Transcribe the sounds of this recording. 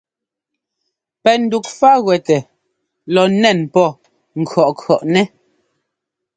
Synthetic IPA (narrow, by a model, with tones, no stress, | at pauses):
pɛ˨n̩˨du˨k̚fa˦ɣwɛ˨tɛ˨ | lɔ˨nɛ˦˨npɔ˦˨ | ŋ̩˨kʰɰɔ˨ʔkʰɔ˨ʔnɛ˦